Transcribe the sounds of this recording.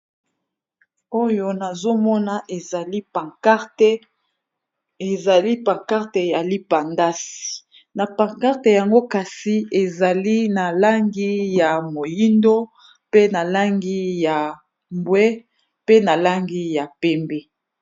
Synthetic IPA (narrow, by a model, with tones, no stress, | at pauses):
o˦jo˦na˨zo˦mɔ˦na˨ʔe˨li˦˨˦ | e˨za˨li˦pa˨ŋka˦ʁte˨ja˨li˦pa˨nda˦si̥˨ | na˨pa˨ka˦ʁte˨ja˨ŋɡo˦ka˨si˨e˨za˨li˦na˨la˦ŋɡi˦ja˨mo˨ji˦ndo˦ | pe˦na˨la˦ŋɡi˦ja˨ | mbwɛ˦ | pe˦na˨la˦ŋɡi˦ja˨pɛ˦mbɛ˦